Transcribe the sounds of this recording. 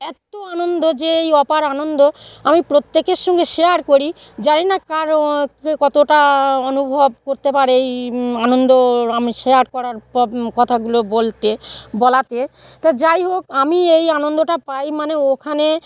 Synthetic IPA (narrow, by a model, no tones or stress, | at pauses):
ɛt̪oanond̪od͡ʑeejɔpaɾanond̪oamipɾot̪ːekeɾʃɔŋɡeʃejaɾkoɾid͡ʑaɾinakaɾkekɔt̪oʈaonubʱobkoɾt̪epaɾeejanond̪oamiʃeaɾkɔɾaɾpɔkɔt̪ʰaɡulobolt̪ebɔlat̪et̪ad͡ʑajɦokamiejanond̪oʈapajmaneokʰane